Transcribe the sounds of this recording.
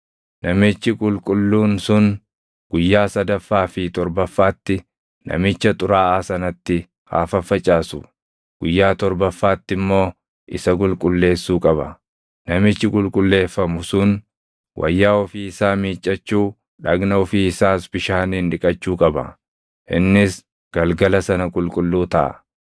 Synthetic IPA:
nɐmɪt͡ʃːɪkʼʊlkʼʊlːuːnsʊn | ɡ̥ʊjːaːsɐd̪ɐfːaːfɪt̪ɔɾbɐfːaːt̪ːɪ | nɐ̰mɪt͡ʃːɐt̪ʼʊɾaːʔaːsɐnɐt̪ːɪ | ha̰ːfɐfɐt͡ʃʼaːsʊ̰ | ɡ̥ʊjːaːt̪ɔɾbɐfːaːt̪ːɪmːo̞ː | ʔɪsɐkʼʊlkʼʊlːe̞ːsːuːkʼɐbɐ̰ | nɐmɪt͡ʃːɪkʼʊlkʼʊlːe̞ːfːɐmʊsʊn | wʔɐ̰jːaːɔfiːɪsaːmiːt͡ʃʼːɐt͡ʃːuː | ᶑɐɡnɐɔfiːɪsaːsbɪʃaːniːnᶑɪkʼɐt͡ʃːuːkʼɐbɐ̰ | ʔɪnːɪs | ɡ̥ɐlɡɐlɐsɐnɐkʼʊlkʼʊlːuːt̪ɐʔɐ̰

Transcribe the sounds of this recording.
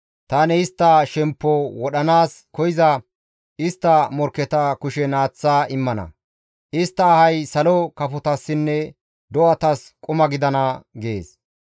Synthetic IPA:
t̪ɐnɛɪst̪ːɐʃɛmpːɔwɔɗɐnaːskɔjɪzɐ | ʔɪst̪ːɐmɔɾkːɛt̪ɐkʊʃɛnaːt͡sːaːɪmːɐnɐ̰ | ʔɪst̪ːɐːhɐjsɐlɔkɐpʊt̪ɐsːɪnːɛ | d̪ɔʔɐt̪ɐskʼʊmɐɡɪd̪ɐnɐɡeːs

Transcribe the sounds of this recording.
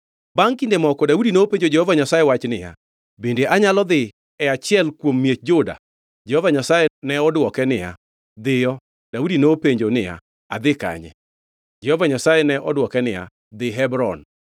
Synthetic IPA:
baŋkindemɔkɔdaudinoopeɲd͡ʒod͡ʒɛhɔvaɲasajewat͡ʃnɪja̰ | bendeʔaɲalɔd̪ɪ | ɛat͡ʃɪɛlkwomːijet͡ʃ̚d͡ʒoda̰ | d͡ʒɛhɔvaɲasajenɛɔdwɔkɛnɪja̰ | d̪ɪjɔ | d̥audinopeɲd͡ʒonɪja̰ | a̰d̪ɪka̰ɲɛ̰ | d͡ʒɛhɔvaɲasajɛnɛʔɔdwɔkɛnɪja̰ | d̪ɪɦɛbɾɔn

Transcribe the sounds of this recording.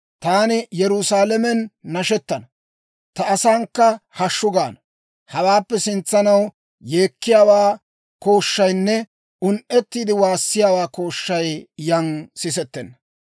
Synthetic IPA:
t̪aːnɪjɛɾʊsaːlɛmɛnːɐʃɛt̪ːɐnɐ | t̪ɐːsaːŋkːɐhɐʃːʊɡaːnɐ | hɐwaːpːɛsɪnt͡sːɐnɐw | je̞ːkːɪjaːwaː | ko̞ːʃːɐjnːɛ | ʊnʔɛt̪ːiːd̪ɪwaːsːɪjaːwaːko̞ːʃːɐjjɐŋsɪs̬ɛt̪ːɛnːɐ

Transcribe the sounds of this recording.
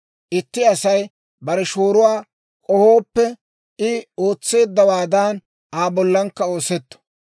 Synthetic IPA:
ʔɪt̪ːɪɐsɐj | bɐɾɛʃoːɾʊwaː | kʼɔhoːpːɛ | ʔɪoːt͡sːe̞ːd̪ːɐwaːd̪aːn | aːbɔlːɐŋkːɐo̞ːsɛt̪ːɔ̥

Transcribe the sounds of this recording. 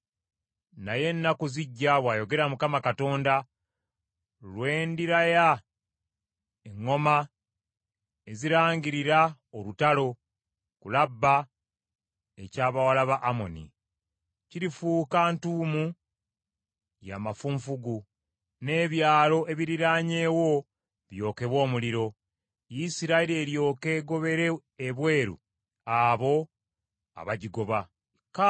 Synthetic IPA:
naje̞nːakuziɟːaβwaːjo̞ɡe̞ɾamukamakato̞ːnda | lwe̞ːndiɾaja | eŋːo̞ma | e̞ziɾaːɲɟiɾiɾa | olutalo̞ | kulabːa | e̞caːβawalaβaʔːmo̞̰nḭ | ciɾifuːkantuːmu | ja̰ːmafuɱfuɡu | ne̞ːβjaːlo̞ʔe̞βiɾiɾaːɲe̞ːwo̞ | βjo̞ːke̞βwo̞ːmuliɾo̞ | jisiɾaiɾeːɾjo̞ːke̞ːɡo̞βe̞ɾe̞ː | βwe̞ːɾṵ | aβo̞ | a̰βaɟiɡo̞βa | ka

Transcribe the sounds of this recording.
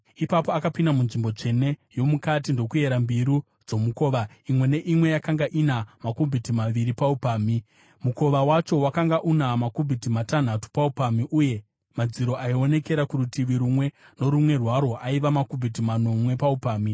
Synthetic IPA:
ipapoakapindamunʐimbo̞t͡ʂe̞ne̞jo̞mukatindo̞kue̞ɾambiɾu | d͡zo̞muko̞ːʋa | imwe̞ne̞ʔimwe̞jakaŋɡaʔinamakubʱitimaʋiɾipaupaːmi | muko̞ʋawat͡ʃo̞wakaŋɡaʔunamakubʱitimatan̤atu̥paupamiʔuje̞ | mad͡ziɾo̞ʔaio̞ne̞ke̞ɾakuɾutiʋiɾumwe̞no̞ɾumwe̞rwaɾo̞ʔaiʋamakubʱit̬imano̞mwe̞paupaːmi

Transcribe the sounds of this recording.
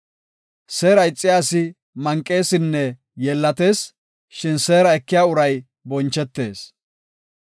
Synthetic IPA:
seːɾɐjɪt͡sʼːɪjaːsɪ | mɐŋkʼːe̞ːsɪnːɛ | jɛlːɐt̪e̞ːs | ʃɪnse̞ːɾɐɛkːɪjaːʊɾɐj | bɔnt͡ʃːɛt̪ːe̞ːs

